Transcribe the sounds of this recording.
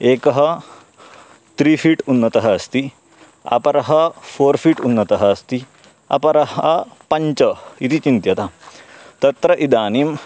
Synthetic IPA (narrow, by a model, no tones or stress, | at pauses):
eːkɐɦɐ̆ | t̪ɾiːpʰiːʈunːɐt̪ɐɦɐːst̪i | ɐ̰pɐɾɐɦɐpʰoːɾpʰiːʈunːɐt̪ɐɦɐɐst̪i | ɐ̰pɐɾɐɦɐpɐɲt͡ʃɐit̪it͡ʃint̪jɐt̪ɐt̪ɐt̪ɾɐʔid̪aːniːm